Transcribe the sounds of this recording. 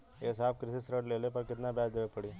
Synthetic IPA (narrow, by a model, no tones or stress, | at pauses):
eːsaːbkɾɪsisɾəʈleːlepɐɾkɪt̪nabjaːd̪eʋepɐɽiː